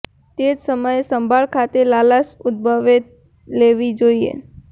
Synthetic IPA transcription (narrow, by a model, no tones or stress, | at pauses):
t̪ed͡ʒsəməjsəmbʱaɭkʰat̪elalasʊd̪̚bʱəʋet̪ | leʋid͡ʒoiḛ